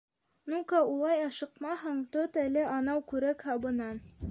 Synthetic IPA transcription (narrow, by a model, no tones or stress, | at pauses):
nukɑulˠɑjɑʃɤ̆qmɑɦɤɴt̪ot̪ælɘʔɑnɑwkʉɾækhɑbɤ̆nɑn